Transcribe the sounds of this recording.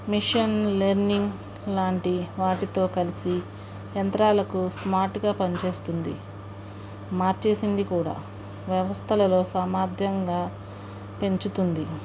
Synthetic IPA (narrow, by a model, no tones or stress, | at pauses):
miʂɐnleɾniŋɡ | laːɳʈiʋaːʈit̪o̞ːkɐlisi | jɐnt̪ɾaːlɐkusmaːɾʈɡaːpɐnit͡ʃe̞ːst̪und̪ḭ | maːɾt͡ʃe̞ːsind̪ikuːɽa̰ː | ʋjɐʋɐst̪ʰɐlɐlo̞ːsaːmaːd̪ʱjɐŋɡaː | pe̞ɲt͡ʃut̪und̪i